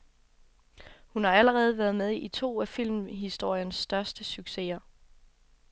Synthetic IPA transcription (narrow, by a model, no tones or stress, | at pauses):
hunhɑ̈æləʁɛːð̞̩ˠʋæɐð̞ˠmeð̞ˠit͡sʰo̝̰ːæfil̰mɦisd̥o̝ɐ̰jənsːd̥ɶɐsd̥əsyɡ̥se̝̰ɐ